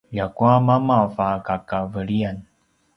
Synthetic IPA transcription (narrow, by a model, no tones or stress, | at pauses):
jakuamamafakakavəɭian